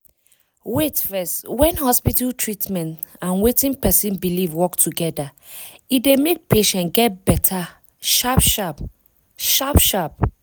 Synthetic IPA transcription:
wetfɛstwɛ̃nhɔspitaltʰɹitmɛ̃ntãnwetĩnpɛsĩnbilivwɔktʰuɡɛda | idemek̚peʃɛ̃ntɡɛt̚bɛtʰa | ʃapʃap | ʃapʃap̚

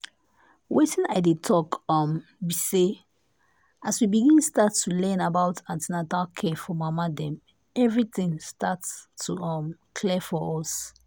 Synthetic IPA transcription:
wetĩnaɪdetʰɔkɔ̃mbise | aswibiɡĩnstatʰːulɛ̃nabaʊtʰãntinatalkʰɛfɔmamadɛ̃m | ɛvɹit̪ĩŋstatstːuɔ̃mkʰlɛfɔɔs

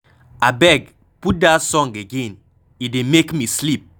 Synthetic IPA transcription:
abɛɡ | put̚dasɔ̃ŋɡeɡẽn | idemekmislip̚

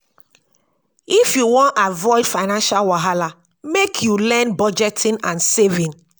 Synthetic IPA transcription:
ifjuwɔ̃ntavɔɪdfaɪnãnʃalwaɦala | mekʰjulɛ̃nbɔd͡ʒɛtʰĩnãnsevĩn

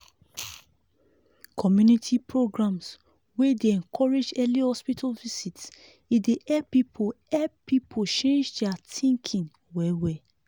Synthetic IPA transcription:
kʰɔmjunitʰipʰɹoɡɹãms | wedeɛ̃nkʰɔɹed͡ʒɛlihɔspitʰalvisits | ideʔɛpipʰo | ɛpipʰot͡ʃẽnd͡ʒdɛatĩŋkʰĩn | wɛwɛ

